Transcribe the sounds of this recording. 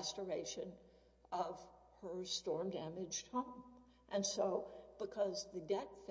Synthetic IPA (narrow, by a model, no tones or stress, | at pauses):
stə˞eɪʃɨ̃n | ʌv̥ | ə˞stɔɹmdæmɨd͡ʒ̥hõʊ̃m | ʔɨ̃nsoʊb̥ɨkʰʌzðɨdɛtf